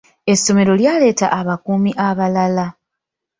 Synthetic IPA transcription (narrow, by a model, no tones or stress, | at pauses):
e̞sːo̞me̞ɾo̞ljaːle̞ːta̰ʔːβakuːmiʔaβalala